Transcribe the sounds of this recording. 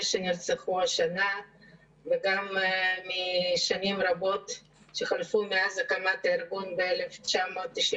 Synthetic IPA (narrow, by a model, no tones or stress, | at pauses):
ʃeniɾt͡seχuaʃana | veɡammiʃanimɾabo̞t̪ | ʃeχalfumeazakamat̪aiɾɡunbeeleft͡ʃamoːt̪ːiʃi